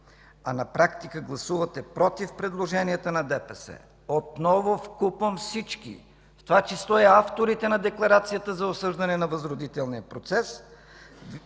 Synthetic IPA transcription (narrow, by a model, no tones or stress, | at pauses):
ɐnɐpɾakt̪ikəɡlˠɐsuvət̪ɛpɾɔt̪ifpɾɛd̪lˠoʒɛniət̪ənɐd̪ɛpɛsɛ̰ | ot̪nɔvofkupvəmfsit͡ʃkḭ | ft̪ovat͡ʃɛslˠɔɛaft̪oɾit̪ɛnɐd̪ɛklˠɐɾat̪sijət̪əzɐosɤʒd̪ɐnɛnɐvəzɾod̪it̪ɛlˠnijəpɾot̪sɛs